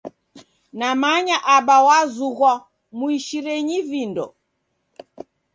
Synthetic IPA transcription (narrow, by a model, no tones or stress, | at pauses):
namaɲaʔaɓawazuɣwa | muiʃiɾɛɲivindɔ